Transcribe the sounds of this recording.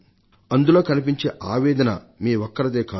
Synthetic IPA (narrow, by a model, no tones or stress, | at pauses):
ɐnd̪ulo̞ːkɐnip̬iɲt͡ʃeːʔaːʋɛːd̪ɐnɐ | miːʋɔkːɐɾɐd̪eːkaː